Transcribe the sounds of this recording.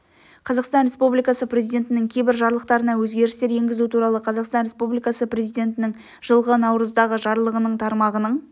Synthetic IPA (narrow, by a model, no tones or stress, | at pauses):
qʰɑzɑqst̪ɑnɾʲe̞spublijkɑsəprʲezijd̪ʲe̞nt̪ɪnɪŋkʲʰejbɪɾʒɑɾlˠəq̚t̪ɑɾənɑwɵzɡʲe̞ɾɪst̪e̞ɾje̞ŋɡʲɪzut̪ʰuɾɑlˠəqʰɑzɑqst̪ɑnɾe̞spublijkɑsəpɾe̞zijd̪ʲe̞nt̪ɪnɪŋ | ʒ̥əlˠʁənɑwɾəzd̪ɑʁəʒɑɾlˠəʁənəɴt̪ʰɑɾmɑʁənəɴ